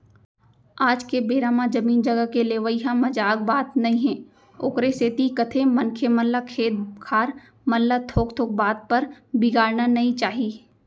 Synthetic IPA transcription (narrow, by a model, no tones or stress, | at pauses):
aːd͡ʒkebeːɾaːmãd͡ʒɐmiːnd͡ʒɐɡəkeleːʋəiɦãmɐd͡ʒaːk̚baːt̪nɐɦĩɦɛ̃ː | o̰ːkɾeseːt̪ikɐt̪ʰemɐnkʰemɐlːakʰeːt̪̚kʰaːɾ | mɐlːat̪ʰoːkt̪ʰoːk̚baːt̪̚pɐɾbɪɡaːɾnanɐɦĩt͡ʃaːɦiː